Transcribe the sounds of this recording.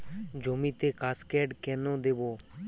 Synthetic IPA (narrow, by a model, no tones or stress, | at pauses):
d͡ʒoːmĩːt̪eːkaːskɛːɖkɛːnõːd̪eːʋoː